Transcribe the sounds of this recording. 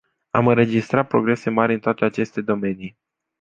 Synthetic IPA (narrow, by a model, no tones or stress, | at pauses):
a̰mɨnɾe̞d͡ʒist̪ɾat̪̚pɾo̞ɡɾe̞se̞maɾʲɨnt̪oat̪e̞at͡ʃe̞st̪e̞d̪o̞me̞nij